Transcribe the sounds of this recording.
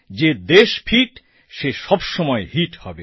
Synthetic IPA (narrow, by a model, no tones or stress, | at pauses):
d͡ʑed̪eʃpʰiʈ | ʃeʃɔbʃɔmɔehiʈhɔ̰be